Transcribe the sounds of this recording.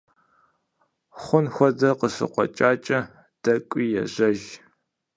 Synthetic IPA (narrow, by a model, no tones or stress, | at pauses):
χʷʊnxʷɔdɐqəɕɨ̰qʷɔ̰t͡ʃʼaːt͡ʃʼɐ | d̥ɐkʷʼiːjɛ̰ʑɐʒ